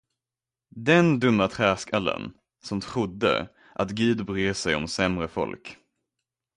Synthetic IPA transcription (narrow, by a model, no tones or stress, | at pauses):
d̪ɛnd̪ɵmːat̪ʰɾæːskalə̰n | sɔmt̪ʰɾʊd̪ːə̰ | ʔat̪ɡiːd̪bɾeːsɛjɔmsɛmɾəfɔ̰lk